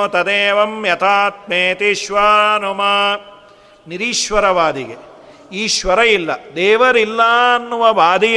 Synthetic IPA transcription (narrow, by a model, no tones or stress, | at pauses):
ot̪ɐd̪eːʋɐmjɐt̪ʰaːt̪̚meːt̪iʃʋaːnumɐ | niɾiːʃʋɐɾɐʋaːd̪iɡe | iːʃʋɐɾɐjilːɐ̰d̪eːʋɐɾilːaːɐnːuʋɐbaːd̪i